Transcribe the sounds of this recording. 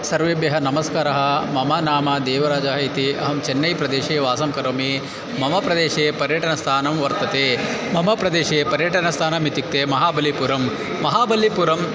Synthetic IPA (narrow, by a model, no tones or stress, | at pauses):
sɐɾʋeːbjɐɦɐnɐmɐskaːɾɐɦɐ̆mɐmaːnaːmɐd̪eːʋɐɾaːd͡ʒaːɦɐit̪iʔɐ̰ɦɐmt͡ʃɛnːɐjpɾɐd̪eːʃeːʋaːsɐmkɐɾoːmeː | mɐmɐpɾɐd̪eːʃeːpɐɾjɐʈɐnɐst̪ʰaːnɐmʋɐɾt̪ɐt̪eːmɐmɐpɾɐd̪eːʃeːpɐɾjɐʈɐnɐst̪ʰaːnɐmit̪ik̚t̪eːmɐɦaːbɐlːipuːɾɐmː | ɐɦaːbɐlːipuːɾɐm